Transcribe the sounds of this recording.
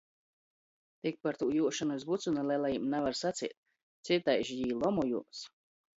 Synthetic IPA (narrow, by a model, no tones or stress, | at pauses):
t̪ik̚paɾt̪uːjuɔʃanuizbut̪sunalˠajlˠajimnɛvaɾsat̪sḭːt̪̚ | t̪sit̪ajʒjiːlˠɔmɔjṵms